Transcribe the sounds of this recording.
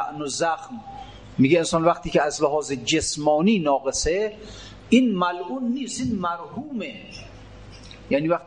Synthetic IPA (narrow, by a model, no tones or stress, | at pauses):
ʔnozaxm | miːɡeensɒːnvæxt̪ʰiːkʰeæzleɦɒːzed͡ʒesmɒːniːnɒːɣese | inmælʔuːnːiːst̪inmæɾhuːme | janiːvæqt̪